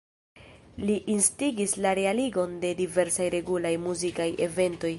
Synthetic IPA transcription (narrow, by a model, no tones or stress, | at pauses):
liʔinstiɡislaɾe̞aliɡo̞nde̞dive̞ɾsajɾe̞ɡulajmuzikaje̞ve̞nto̞j